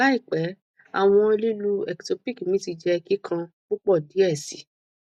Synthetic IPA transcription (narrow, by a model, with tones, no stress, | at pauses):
a˦i˦˨k͡pɛ˨˦ | a̰˨w̃ɔ̃˧o˧li˦lu˧ɛ˨kto˧pi˦ki˨mĩ˨˦ti˧d͡ʒɛ˧ki˦kʰã˧k͡pu˦k͡pɔ˦˨di˨˦ɛ˦˨si˨˦